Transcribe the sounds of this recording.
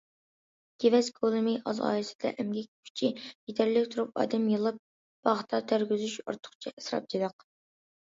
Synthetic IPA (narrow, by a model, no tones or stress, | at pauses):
ɡ̥ʲevɛzɡolˠɨmɨʔɑ̰zɑ̰ːjɨsɪ̥d̪̥ɛ̰ʔɛmɡʲɛkʲkʲʰy̥t͡ʃʰijet̪ʰæɾlɪkʲt̪ʰuɾupɑ̰ːd̪ɛmjɨlˠɨp̚ | b̥ɑʁt̪ʰɑt̪ʰæɾɡʲyzyʃo̰ɾt̪ʰʊ̥χt͡ʃʰɛɛsɾɑ̰p̚d͡ʒed̪ɑq